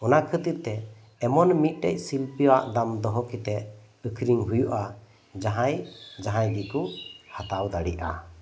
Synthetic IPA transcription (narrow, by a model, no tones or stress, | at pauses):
ɔnakʰət̪iɾt̪ɛː | mɔnmit̪̚ˀʈɛcˀsilpiwaʔd̪amd̪ɔɦɔkit̪ɛʔ | əkʰɾiŋɦujuʔa | d͡ʒaɦãjd͡ʒaɦãjɡikuhat̪awd̪aɽɛ̰ʔa̰